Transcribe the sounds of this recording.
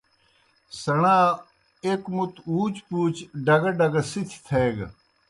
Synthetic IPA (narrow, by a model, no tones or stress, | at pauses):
sɐɽaː | ekmut̪uːt͡ɕpuːt͡ɕɖɐɡɐɖɐɡɐsit̪ʰi̥t̪ʰeːɡ